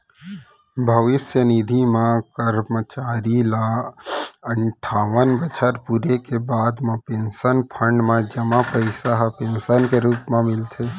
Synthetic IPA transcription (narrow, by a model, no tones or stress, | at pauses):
bʱəʋɪsjənid̪ʱimãkəɾmət͡ʃaːɾila | ə̃ɳʈʰaːʋənbət͡ʃʰəɾpuːɾekebaːd̪mãpẽːnsənpʰə̃ɳɖmẽd͡ʒəmapəɪsaɦpẽːnsənkeɾuːpmẽmɪlt̪ʰeː